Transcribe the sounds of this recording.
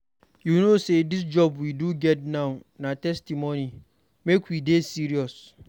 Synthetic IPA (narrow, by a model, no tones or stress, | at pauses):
junosedis̬d͡ʒɔbwiduɡɛt̚nãʊnãtɛstimonĩ | mekʰwidesiɾiɔs